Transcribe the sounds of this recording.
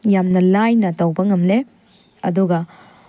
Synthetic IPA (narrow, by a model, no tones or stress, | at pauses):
jamnɐlajnɐtɐwbɐŋɐmle | ɐ̰duɡɐ